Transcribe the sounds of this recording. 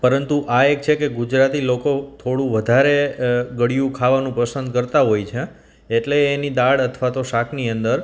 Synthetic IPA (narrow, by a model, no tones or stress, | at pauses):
pəɾənt̪uʔaek̚t͡ʃʰekeɡud͡ʒɾat̪ilokot̪ʰoɽũʋəd̪ʱaɾeɡəɽijũkʰaʋanũpəsənd̪̚kəɾt̪aɦojt͡ʃʰe | eʈleːnid̪aɭət̪ʰʋat̪oʃakʰniənd̪əɾ